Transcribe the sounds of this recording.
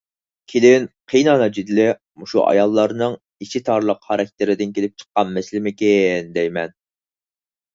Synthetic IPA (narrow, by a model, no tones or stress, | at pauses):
kʲʰelɪnqʰijnɑnɑd͡ʒid̪ɪlɪ | muʃṵʔɑ̰jɑlˠːɑɾnɨŋ | iʃit̪ʰɑɾlˠəqhɑɾɛkʲt̪ʰɪɾɪd̪ɪnkʲʰelɪp̚t͡ʃʰə̥qːɑnmɛslɪmɪkʲend̪ɛjmɛn